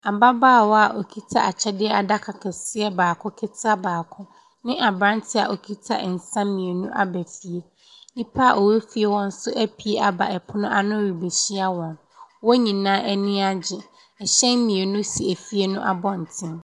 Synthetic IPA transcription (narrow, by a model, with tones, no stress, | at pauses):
a˨ba˦baː˦˨wɔ˦a˨ʔo˨kʰi˦tʰa̰˦a˨t͡ɕʰɛ˦dɪ˦ɛ˦a˨da˦kʰa˨kʰɛ˨sɪ˦ɛ˦baː˨kʰʊ̃˦kʰɪ˦tʰa˦baː˨kʰʊ˦ | nɪ̃˦ʔa˨bɾã˦ntʰɪ˦a̰˨ʔo˨kʰi˦tʰa̰˦ɛ˨n̩˨sã˦m˦mĩ˨e˨nũ˦ʔa̰˨bæ˨fi˨e˦ | nĩ˦pʰa˦a˦˨ʔɔ˨we˦fi˦e˨wɔ̃˦n̩˦sʊ˦ʔæ˦pʰi˦e˦a˨ba˨ʔɛ˨pʰʊ˦nʊ̃˦ʔa˦nʊ̃˦ɾi˨be˨ɕi˦a˦wɔ̃˨n | wɔ˦ɲĩ˨nãː˦ʔɛ˦nĩ˦a˦d͡ʑɪ˨ | ɛ˨ɕɛ̃˦m˦mĩ˨e˨nũ˦si˨æ˨fi˦e˦nʊ̃˦ʔa˨bɔ˦n̩˨tʰɪ̃˦m